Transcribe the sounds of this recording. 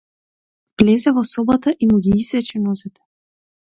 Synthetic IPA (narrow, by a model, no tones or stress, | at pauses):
vlɛzɛvɔsɔbat̪aʔimuɡʲiisvɛt͡ʃɛnɔzɛt̪ɛ̥